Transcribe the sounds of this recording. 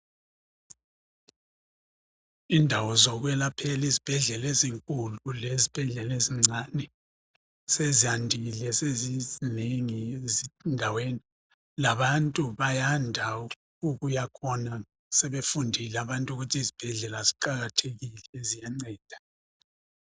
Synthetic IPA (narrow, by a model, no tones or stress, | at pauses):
indʱawɔzɔɣwɛlapʰɛlizib̥ʱɛɮɛleziŋkʼululezib̥ʱɛɮɛleziŋ͡ǀʱanɛ | sezijandʱilɛsezizineŋiezindʱaweni | laβantʼuβajandʱa | uɣujakʰɔna | sɛβefundʱilɛaβantʼuɣutʰizib̥ʱɛɮɛlaziǃaɣatʰeɣilɛzijaŋ͡ǀɛːd̥ʱḁ